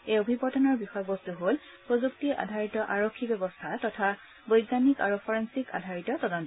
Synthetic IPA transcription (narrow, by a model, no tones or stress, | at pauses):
ejobʱibɔtɔnɔɹbixɔjɔbɔstuɦol | pɹozuktiʔa̰dʱaɹitɔʔaɹokʰːibɔbɔstʰatɔtʰa | bojɡzanika̰ɹupʰɔɹensika̰dʱaɹitɔtɔdɔntɔ